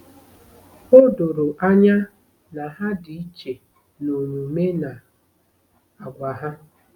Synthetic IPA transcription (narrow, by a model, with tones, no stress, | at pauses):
ʊ˦dʊ˨ɾʊ˨ʔa˦ɲa˦ | na˨ɦa˦di˨i˦t͡ʃe˨ | no˨ɲu˨me˦na˨ | a˨ɡʷa˨ɦa˦